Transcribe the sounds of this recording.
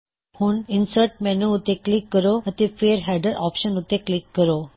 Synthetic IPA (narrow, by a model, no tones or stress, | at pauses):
hũːninsəɾʈ̚mɛnuːt̪eklikːəɾoət̪efeːɾɦɛɖəɾʔɔ̰pɕənut̪eklikːəɾo